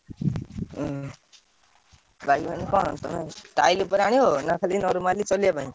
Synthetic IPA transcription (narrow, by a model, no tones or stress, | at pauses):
bʱaɡibanikʌt̪maʈajlepʌɾaɽ̃iɦonakʰalinʌɾumalit͡sʌljabʌni